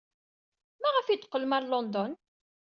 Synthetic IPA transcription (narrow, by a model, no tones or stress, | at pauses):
mæʁəfid̪qːəlmæɾlɔnd̪ɔn